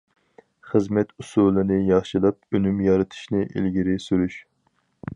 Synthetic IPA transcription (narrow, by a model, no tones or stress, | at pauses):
χəzmɛt̪ʰusulˠɨnɨjɑχʃilˠɑp̚ønymjɑɾɨt̪ʰɨ̥ʃnɪʔḭlɡʲiɾɪsyɾyʃ